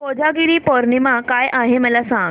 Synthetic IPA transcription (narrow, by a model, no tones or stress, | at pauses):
pod͡ʑaɡiɽiːpɔɾɳimakajʔaɦeməlasãŋɡ